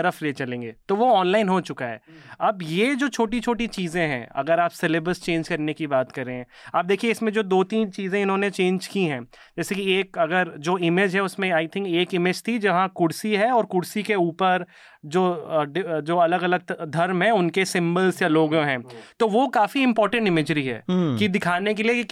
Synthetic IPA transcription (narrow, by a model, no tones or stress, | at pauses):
ɐɾəfleːt͡ʃɐlẽːŋɡeːt̪oʋoɔːnlaːɪnɦoːt͡ʃʊkaɦɛ̰ːɐbjed͡ʒoːt͡ʃʰoːʈ̬it͡ʃʰoːʈit͡ʃiːzẽɦɛ̰̃ːɐ̰ɡəɾaːpsɛlɪbɾəst͡ʃẽːnd͡ʒkɐɾnekibaːt̪kɐɾːeːɦɛ̃ː | aːp̚d̪eːkʰieɪsmẽd͡ʒoːd̪oːt̪iːnt͡ʃiːzẽɪnɦõːnet͡ʃẽːnd͡ʒkiɦɛ̃ː | d͡ʒɛːsekieːkɐɡəɾd͡ʒoːɪmeːd͡ʒɦɛʊsmẽaːɪt̪ʰɪ̃ŋkeːkɪmed͡ʒt̪ʰid͡ʒɐɦãkʊɽsiɦɛɔːɾkʊɽsikeuːpəɾ | d͡ʒoːɖɪd͡ʒoːɐləɡɐləɡ̪̚d̪ʱɐɾmɦɛ̃ʊnkesɪ̃mbəlsjaloːɡõɦɛ̃ːt̪oʋokaːfiɪ̃mpɔːɾʈə̃ɳʈɪmɪːd͡ʒɾiɦɛ̰ːkid̪ɪkʰaːnek̬eliei